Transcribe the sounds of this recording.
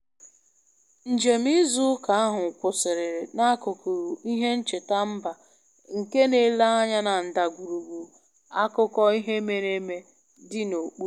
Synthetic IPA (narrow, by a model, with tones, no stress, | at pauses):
n̩˨d͡ʒe˨m̩˦i˦zu˦ka˨a˦ɦʊ˨kʷʊ˨sɪ˨ɾɪ˨ɾe˨na˦kʊ˨ku˨ɾu˨i˦ɦe˦n̩˦t͡ʃe˨ta˦m̩˦ba˨ | ŋ̩˨ke˦ne˨˦la˦a˦ɲa˦na˨n̩˨da˨ɡʷu˨ɾu˨ɡu˨ | a˦kʊ˦kɔ˦i˦ɦe˦me˦ne˦me˦ | dɪ˦no˨k͡pu˦